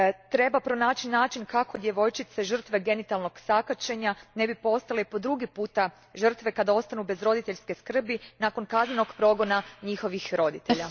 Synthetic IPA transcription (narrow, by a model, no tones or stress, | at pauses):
t̪ɾe̞bapɾo̞naːt͡ʃinaːt͡ʃinkako̞d̪je̞ʋo̞jt͡ʃit̪se̞ʒər̩t̪ʋe̞ɡe̞nit̪alno̞ɡ̥sakat͡ʃe̞ɲane̞bipo̞st̪alepo̞d̪ɾuɡipuːt̪a | ʒər̩t̪ʋe̞kad̪ao̞st̪anube̞zɾo̞d̪it̪e̞ʎske̞skr̩binaːko̞nkazneno̞ɡpɾo̞ɡo̞naɲixo̞ʋixɾo̞d̪it̪eʎa